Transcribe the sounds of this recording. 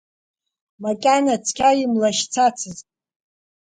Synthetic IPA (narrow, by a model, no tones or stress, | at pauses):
makʲʼanat͡sʰkʲʰaimlaʃt͡sʰat͡sʰɨzʼ